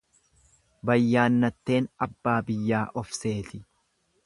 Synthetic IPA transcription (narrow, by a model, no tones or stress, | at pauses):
bɐjːaːnːɐt̪ːe̞ːnɐbːaːbɪjːaːʔɔfse̞ːt̪ɪ